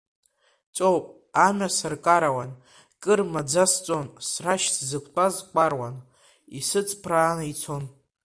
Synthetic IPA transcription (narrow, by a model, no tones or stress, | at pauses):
t͡ʃʷʼowpʼ | anasɨrkʼaɾawan | kʼɨrmad͡zast͡sʷʼonsraʃsʰzɨkʷʰtʼazkʷʼarwan | ḭsɨt͡sʼpʰraːnait͡sʰon